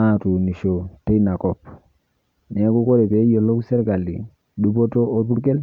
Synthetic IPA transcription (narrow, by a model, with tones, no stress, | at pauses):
a˦˨tu˨ni˨ʃo˨te˦na˨kɔ˨p̚ | nɛ˨˦ku˦ko˦ɾɛ˨pe˨˦jo˨lo˦ksɛ˦ɾka˨lḭ˨ | du˦p̬o˦to˦ʔo˦pu˦ɾkɛ˦l